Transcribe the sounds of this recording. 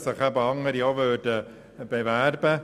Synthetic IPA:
səχabɔŋəɾiɔvøːdə | bevarbə

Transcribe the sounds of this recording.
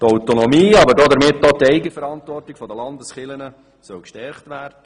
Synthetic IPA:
t̪ɔwtonɔmiːɑbəɾdɔd̪əɾmɪtːɔːtɛɪɡəfəɾɑnt̪ʋɔrtɪɡfɔd̪əlɑnd̪əsχɪlənə | sœwkʃtɛɾχtʋæːrd̥ə

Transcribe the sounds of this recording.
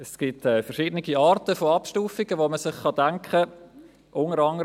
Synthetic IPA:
ɛsɡ̥itɛːfɛɾʃɪːdənɪɡiɑːɾtəfoɑpʃtuːfiɡ̥əʋoməsɪχχɑdæŋkχə | ʔʊŋəɾɑŋəɾ

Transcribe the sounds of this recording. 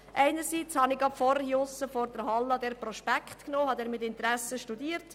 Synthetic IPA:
ʔɛɪnəɾsiːt͡shɑnɪɡɑpfɔɾhiʊsəfɔrd̥əɾɦɑlːɑd̪ɛːɾpɾɔʃpækχtknoːhɑd̪ɛːɾmɪtɪnt̪ɾæsəʃtudiːəɾt

